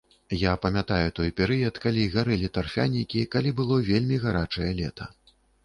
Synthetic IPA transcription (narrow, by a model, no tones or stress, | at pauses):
japɐmʲat̪ajut̪ɔjpʲɛɾɨjɐt̪kalʲiɣaɾɛlʲit̪arfʲa̰nʲikʲikalʲibɨlˠɔvʲelʲmʲiɣaɾat͡ʂɐjɛlʲɛ̰t̪ʰɐ̰